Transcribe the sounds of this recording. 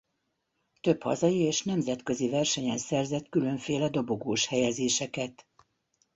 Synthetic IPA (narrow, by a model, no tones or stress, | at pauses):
t̪ø̞phɒ̰zɒjieːʃnɛmzɛt̪kø̞zivɛrʃɛɲɛnsɛrzɛt̪kylø̞ɱfeːlɛd̪o̞bo̞ɡoːʃhɛjɛzeːʃɛkɛt̪